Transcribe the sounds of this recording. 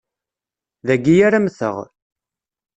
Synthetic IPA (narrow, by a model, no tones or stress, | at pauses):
ðæɡːijaɾamθə̰ʁ